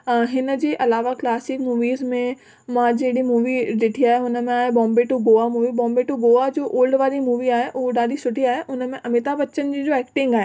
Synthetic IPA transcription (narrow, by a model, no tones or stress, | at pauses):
ɦɪnə̆d͡ʑeːʔɐlaːʋaklaːsɪkmuːʋiːzmẽ | mãd͡ʑeɽimuːʋiɗɪʈʰiaːɦeʊnəmẽaːɦebɔ̃ːmbeʈuɡoːamuːʋibɔ̃ːmbeʈuɡoːad͡ʑoːʔoːlɖʋaːɾimuːʋiaːɦeʔʊɦoɗaːd̪ʱisʊʈiaːɦeʔʊnəmẽʔɐmɪt̪abɐtːt͡ɕənd͡ʑiːd͡ʑoːɛːkʈɪ̃ŋɡaːɦeː